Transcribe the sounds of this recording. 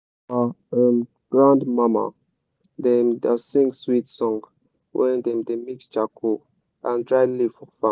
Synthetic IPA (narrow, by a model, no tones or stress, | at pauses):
aəm | ɡ̥ɹãndmama̰ | dɛmdasĩŋɡswitsɔ̃ŋɡ | wʔɛ̰̃ndɛ̃mdemikst͡ʃakʰo | ãndɹajlifɔfa